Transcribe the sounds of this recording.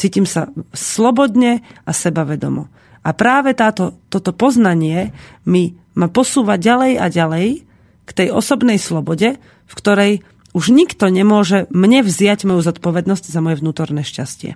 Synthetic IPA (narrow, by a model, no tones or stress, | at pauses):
t͡siːcimsaslɔbɔd̪ɲɛasɛbaʋɛd̪ɔ̰mɔ̰ | apɾaːʋɛt̪aːt̪ɔt̪ɔt̪ɔpɔznaɲɪɛmi | mapɔsuːʋaɟalɛjaɟalɛj | kt̪ɛjɔsɔbnɛjslɔbɔɟɛ | fkt̪ɔɾɛj | uʒɲikt̪ɔɲɛmʊɔʒɛmɲɛvzɪaɟmɔjuzɔt̪pɔʋɛd̪nɔzɟzamɔjɛvnuːt̪ɔɾnɛːʃcascɪɛ̰